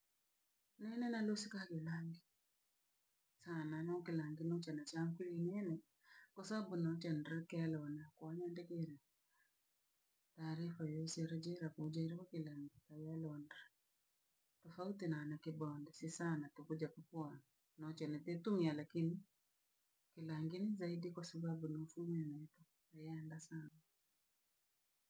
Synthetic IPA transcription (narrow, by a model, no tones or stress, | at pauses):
nɛnɛnalosɪkakelaŋɡi | sananɔkɪlaŋɡɪnɔt͡ʃɛnat͡ʃamkilinɛnɛ | kɔsabunɔt͡ʃɛndɾakɪalɔnakwaɲɛndɛkeɾɛ | taːɾifajoseɾad͡ʒɛɾakod͡ʒɛɾɛwakɪlaŋɡikajalɔndɾa | tɔfautinanakɪbɔndɛsisanatukud͡ʒapupua | nɔt͡ʃɛnɛtetumialakini | kilaŋɡinizaidikwasababunofumanaitɔ | ajɛndasana